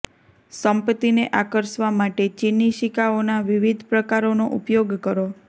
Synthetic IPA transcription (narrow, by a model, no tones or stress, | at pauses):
səmpət̪ineʔakəɾsʋamaʈet͡ʃinːiʃikaonaʋiʋid̪ʱpɾəkaɾonoʔupjoɡkəɾo